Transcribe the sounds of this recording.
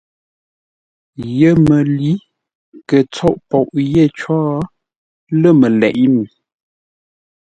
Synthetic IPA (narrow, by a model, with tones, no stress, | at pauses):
jə˦˨mə˨li˨˦ | kə˨t͡sɔ˦ʔpɔ˨ʔje˦˨t͡ʃɔː˦ | lə˦˨mə˨lɛ˨ʔi˦ni˨